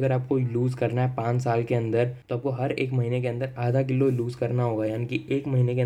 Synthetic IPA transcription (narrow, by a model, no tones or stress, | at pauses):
ɡəɾaːp̚koluːzkɐɾnaɦɛpãːt͡ʃsaːlkeɐ̃nd̪əɾt̪oaːp̚koɦɐɾḛːkmɐɦiːnek̬eɐ̃nd̪əɾaːd̪ʱak̬ɪlːoluːzkɐɾnaɦoːɡaːjaːnikieːkmɐɦiːnekẽ